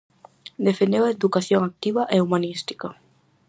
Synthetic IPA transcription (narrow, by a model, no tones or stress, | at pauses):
d̪efend̪ewaed̪ukaθjoŋak̚t̪iβaʔeumanist̪i̥ka